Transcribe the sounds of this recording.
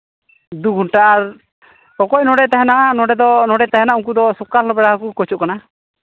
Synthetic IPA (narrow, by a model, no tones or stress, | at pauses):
d̪uɡunʈaːɾ | ɔkɔcnɔɽɛt̪aɦɛnaʔanɔɖɛd̪ɔnɔɖɛt̪aɦɛnaauŋk̬ud̪ɔsukalːɔbɛɽaɦakukɔt͡ʃuʔkana